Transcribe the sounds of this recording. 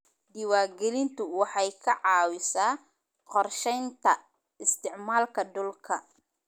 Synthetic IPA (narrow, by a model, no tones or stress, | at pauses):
d̪ɪwaːrɡɛlɪnt̪ʊwɑħɑjkʰɐʕɑːwɪsaː | qɔrʃɛjnt̪ʰɐ | ɪst̪ʰɪʕmaːlkʰɐd̪ʊlkʰɐ